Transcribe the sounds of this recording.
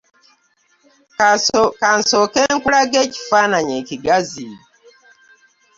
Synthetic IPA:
kansokeŋkuɾaɡeci̥fanaɲeciɡazi

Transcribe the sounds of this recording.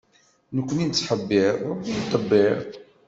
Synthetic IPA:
nəkʷːənint͡sːħəbːɪɾit̪ˤːəbːɪɾ

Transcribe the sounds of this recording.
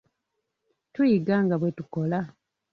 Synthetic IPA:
tujiɡaːŋɡaβwe̞tuko̞la

